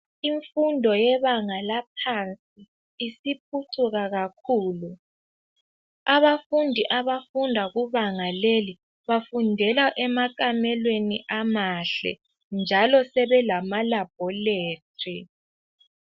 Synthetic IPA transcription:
iɱfundʱɔjɛβaŋalap̚ʰant͡sʼiː | sip̚ʰutʰuɣaɣakʰuːlu | aβafundʱiʔaβafundʱaɣuβaŋaleli | βafundʱɛlaʔɛmakamɛlweniʔamaɬɛ̰ | nd͡ʒʱalɔsɛβɛlamalab̥ʱɔleːtʼʰi

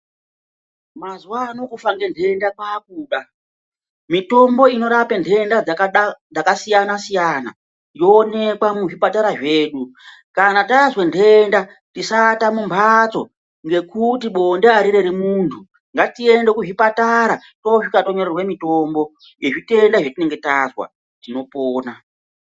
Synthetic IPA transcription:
mazuwano̞kufaŋɡe̞ndʰʱe̞ndakwakuːɗa | mito̞mbo̞ino̞ɾapendʰʱe̞ndad͡zad͡zakasijanasijana̰ | jo̞ːne̞kwamuʐipataɾaʐe̞ːɗu | kanataʐwe̞ndʱe̞nda | tisatamumbʰʱat͡so̞ | ŋɡe̞kutiɓo̞ndeaɾiɾe̞ɾimuːntʰu | ŋɡatie̞nde̞kuʐipataɾa | to̞ʐikato̞ɲo̞rerwe̞mito̞mbo̞ | jeʐite̞ndaʐotine̞ŋɡe̞tazwa̰ | tino̞poːna

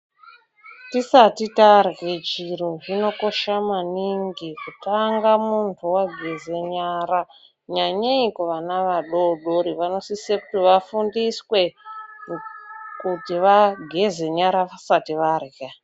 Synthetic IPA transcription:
tisatitarɣed͡ʒiroʐino̞ko̞ʃamaniŋɡikutaŋɡamuntʰuwaɡʱezeɲaɾa | ɲaɲeikuʋanaʋaɗoɗoɾiʋano̞sisekutiʋafundiswe̞ | kutiʋaɡʱe̞ze̞ɲaɾaʋasatiʋarɣe

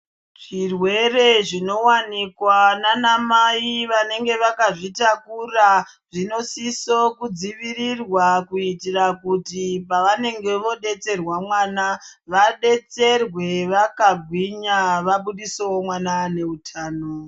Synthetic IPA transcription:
ʐ̥irwe̞re̞ʐino̞wanikwananamaiʋane̞ŋɡe̞ʋakaʐitakura | ʐino̞sisokud͡ziʋirirwakuitirakutipaʋane̞ŋɡe̞ʋo̞ɗe̞t͡se̞rwamwaːnaʋaɗe̞t͡se̞rwe̞ʋakaɡʱwiɲaʋaɓuɗisowomwanane̞utʰaːno

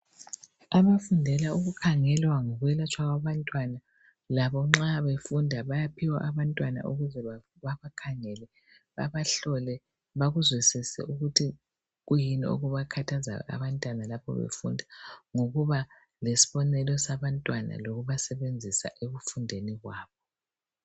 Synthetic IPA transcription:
aβafundʱɛlauɣukʰaŋɛlwaŋɔɣwɛlat͡ʃʰʼwaɣwaβantʼwana | laβɔŋ͡ǁaβefundʱaβajapʰiwa̰ʔaβantʼwana̰ʔuɣuzɛa | βaβakʰaŋɛlɛ | βa̰βaɬɔlɛ | βaɣuzwisisɛ̰uɣutʰi | ɣujinio̰ɣuβakʰatʰaza̰a̰βantʼwanalapʰɔ̰βḛfṵndʱaŋoɣuβa | lesi̥βɔnɛlɔsaβantʼwana̰loɣuβasɛβend͡zʱisa̰ʔeɣufundʱeniɣwaːβɔ

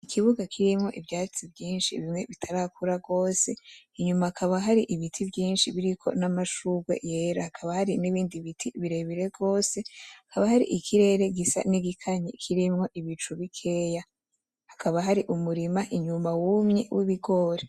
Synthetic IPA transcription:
ikʰiβuɡakʰiɾimŋo̞̰ʔivjaːt͡sibɟiːnʃiβimŋe̞βitʰaɾakuɾaɡo̞ːse̞iɲumaːkʰaβaɦaɾiʔiβitʰibjiːnʃiβiɾikʰo̞̰namaʃuɡwe̞̰je̞ːɾahakʰaβahaɾiniβiːndiβitʰiβiɾe̞βiɾe̞ɡo̞ːse̞akʰaβahaɾḭʔikʰiɾe̞ɾe̞ɡisa̰niɡikʰaɲikʰiɾimŋo̞ʔiβit͡ʃuβikʰe̞ːja | hakʰaβaɦaɾiʔumuɾimaʔiɲumawumɲḛwʔiβiɡo̞ːɾe

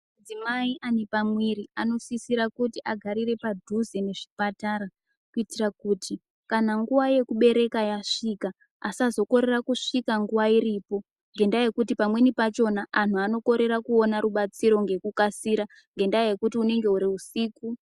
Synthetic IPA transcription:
d͡zimaiʔanepamwiɾiano̞sisiɾakutiʔaɡʱaɾire̞padʱuzene̞ʐipataɾa | kuitirakuːtʰi | kanaŋɡuʋaje̞kuɓe̞ɾe̞kajaʂikaː | sazo̞ko̞ɾe̞rakuʂikaŋɡuʋaiɾipo̞ | ŋɡe̞ndaje̞kutipamwe̞nipat͡ʃo̞naʔan̤uano̞ko̞ɾe̞ɾakuo̞naɾuɓat͡siɾo̞ŋɡe̞kukasiːɾa | ŋɡe̞ndaje̞kutiune̞ŋɡe̞uɾiusiːku

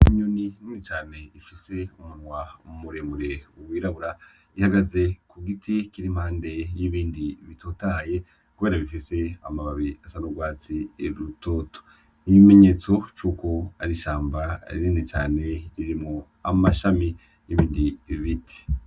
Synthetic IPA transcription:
iɲonininit͡ʃaːne̞ifise̞umunŋwaṵmuɾemuɾe̞uwiːɾaβuɾa | ihaɡaze̞kuɡitʰikiɾim̥haːnde̞jiβiːndiβitoːtaje̞ | kuβe̞ːɾaβifise̞amaβaβiasanuɡwaːt͡sieɾuto̞ːto̥ | ijime̞ɲe̞ːt͡so̞t͡ʃuːko̞aɾiʃaːmbaiɾinit͡ʃa̰ːne̞iɾimŋo | a̰maʃami | jiβiːndiβiβitʰi̥

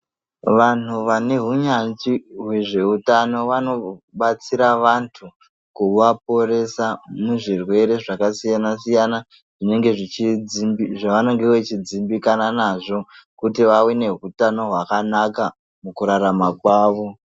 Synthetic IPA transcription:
ʋan̤uʋane̞ɦuɲand͡ʒiɦwe̞ʐe̞utano̞ʋano̞ɓat͡siɾaʋantʰu | kuʋap̚o̞re̞samuʐirwe̞ɾe̞ʐakasijanasijana | ʐ̥ine̞ŋɡe̞ʐit͡ʃiiiʐaʋano̞ŋɡe̞wet͡ʃid͡zimbikananaʐo̞kutiʋawine̞ɦutano̞ɦwakanaka | mukuɾaɾamakwaːʋo̞

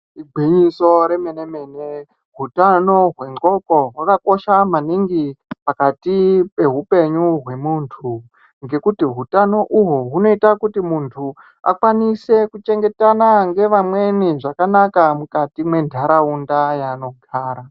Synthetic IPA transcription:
iɡʱiɲiso̞ɾe̞meneme̞ne | ɦutano̞ɦwe̞ŋɡo̞ko̞ɦwakako̞ʃamaniŋɡipakatipe̞ɦupe̞ɲuɦwe̞muntʰu | ŋɡe̞kutiɦutano̞ʔuɦoɦuno̞itakutimuntʰu | a̰kwanise̞kut͡ʃe̞ŋɡe̞tanaŋɡe̞ʋamwe̞niʐakanakamukatimwe̞ndʱaɾaundajaːno̞ɡʱaːɾa

